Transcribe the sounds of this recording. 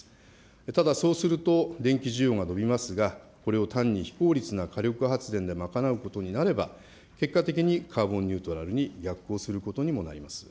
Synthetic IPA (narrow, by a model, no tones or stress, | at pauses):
t̪ad̪aso̞ːsɨɾɯ̟t̪o̞d̪ẽ̞ŋkʲiʑijo̞ːŋano̞bʲimasɨɡa | ko̞ɾe̞o̞t̪ãɲ̟ːiçi̥ko̞ːɾʲit͡sɨnakaɾʲo̞kɯ̟ɦat͡sɨd̪ẽ̞nd̪e̞makanaɯ̟ko̞t̪o̞ɲ̟inaɾe̞ba̰ | ke̞kːat̪e̞k̬ʲiɲ̟ikʰaːbõ̞ɲ̟ʲːɯ̟ːt̪o̞ɾaɾɯ̟ɲ̟iɡʲakɯo̞ːsɨɾɯ̟ko̞t̪o̞ɲ̟imo̞na̰ɾʲimasɨ̥